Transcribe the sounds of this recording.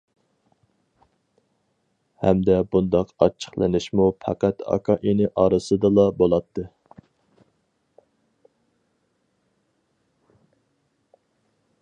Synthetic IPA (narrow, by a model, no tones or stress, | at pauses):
hɛmd̪ɛbund̪ɑqɑ̰t͡ʃʰːə̥χlˠɨ̰nɪʃmupʰæ̰qæt̪ɑ̰kʰɑʔinɪʔɑɾɨsɨd̪ɨlˠɑbolˠɑt̪ːɨ